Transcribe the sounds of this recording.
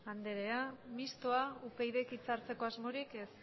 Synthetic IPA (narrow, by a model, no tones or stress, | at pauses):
and̪e̞ɾe̞amist̪oaupejðe̞kit͡saɾt͡se̞ko̞azmo̞ɾikes